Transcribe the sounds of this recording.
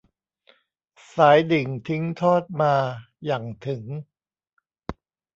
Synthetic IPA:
saː˩˦jdi˨˩ŋt̪ʰi˦˥ŋt̪ʰɔː˥˩t̪̚maː˧ | ja˨˩ŋt̪ʰɯ˨˩˦ŋ

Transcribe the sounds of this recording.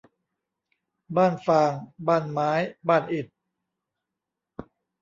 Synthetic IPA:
baː˥˩nfaː˧ŋbaː˥˩nmaː˦˥jbaː˥˩nʔi˨˩t̪̚

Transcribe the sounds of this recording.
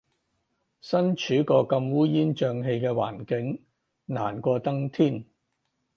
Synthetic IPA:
sɐ˥nt͡ʃʰyː˨˥kɔː˧kɐ˧mwuː˥jiː˥nt͡ʃœː˧ŋɦe˧jkɛː˧wa̰ː˨˩nkɪ˨˥ŋ | naː˨˩nkʷɔː˧t̪ɐ˥ŋt̪ʰiː˥˩n

